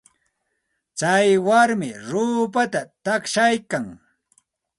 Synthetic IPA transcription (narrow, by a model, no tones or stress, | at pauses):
t͡sajwaɾmɪɾuːpat̪at̪akʃajkaŋ